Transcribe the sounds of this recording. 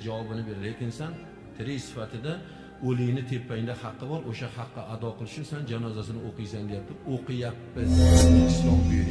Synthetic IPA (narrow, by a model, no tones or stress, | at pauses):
d͡ʒavɒbɪnɪbe̞ɾlekʲɪnsan | t̪ʰɪɾɪjsɪ̥fat̪ʰɪd̪a | olɪjnɪt̪ʰe̞pʰːajɪd̪ahɑqːɨbɒɾʔoʃahɑqʰːɑʔad̪ɒqʰɨlˠɪʃɪsand͡ʒanɒzasɪnɪoqʰɨjsaŋd̪e̞jap̚t̪ʰɪoqɨjapːɪzɪɪslɒmbe